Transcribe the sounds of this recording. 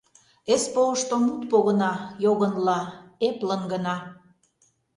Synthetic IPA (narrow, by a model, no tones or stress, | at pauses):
espoəʃt̪omut̪̚poɣə̆nɑjoɣə̆nlɑeplənɡə̆nɑ